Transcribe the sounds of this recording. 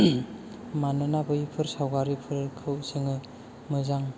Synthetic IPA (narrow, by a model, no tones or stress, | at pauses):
manɯnabɯjipʰɯɾsawɡaɾipʰɯɾkʰɯwsɯŋɯ | mɯzaŋ